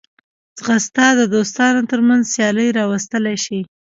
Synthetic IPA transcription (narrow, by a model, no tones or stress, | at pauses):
zɣast̪ɑd̪əd̪ost̪ɑnot̪əɾmanzsjɑləjɾɑwast̪əlajʃi